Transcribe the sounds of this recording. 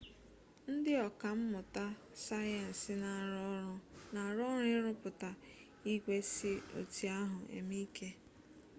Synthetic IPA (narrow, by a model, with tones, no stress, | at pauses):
n̩˦dɪ˦ɔ˨ka˨m̩˦mʊ˨ta˦ | sa˦jɛ˨n̩˨sɪ˨na˨˦ | na˨ɾɔ˦ɾʊ˦ɪ˦ɾʊ˦pʊ˨ta˨ | i˦ɡʷe˦sɪ˦o̰˨ti˨a˦ɦʊ˨ḛ˨mi˦ke˦